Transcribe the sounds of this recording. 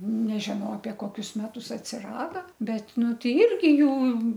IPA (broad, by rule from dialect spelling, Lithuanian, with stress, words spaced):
ˈnʲæːʒʲɪnɐʊ ɐpʲiɛ ˈkoːkʲʊs ˈmʲæːtʊs ɐtʲsʲɪˈrɑːdɐ ˈbʲɛt ˈnʊ tʲɛɪ ˈɪrʲɡʲɪ ˈjuː